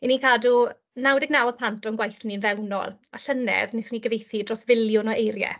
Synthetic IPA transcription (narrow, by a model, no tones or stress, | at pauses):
inikʰadu | nawdɛɡ̚nawɔðpl̥antɔnɡwajθninvɛwnɔ̰lˠaɬənɛ̰ðnɪθniɡəvejθidrɔsvɪljʊnɔejɾjɛ̰